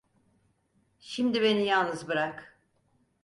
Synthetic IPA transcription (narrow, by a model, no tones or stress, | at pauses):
ʃimd̪iβe̞nijalˠnɯzbɯɾak